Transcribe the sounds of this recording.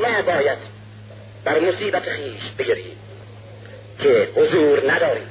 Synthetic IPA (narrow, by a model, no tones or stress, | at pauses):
mɒːbɒːjæd̪ | bæɾmosiːbæt̪ʰexiːʃbe̞eɾḭː | kʰehozuːɾnæd̪ɒːɾḭːm